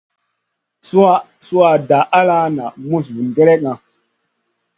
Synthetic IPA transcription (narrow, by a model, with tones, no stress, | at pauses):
su˦a˦ | su˦wa˨da˨ʔa˦la˦na˨mu˦s̬vu˨nɡe˦ɾe˦k̚ŋa˨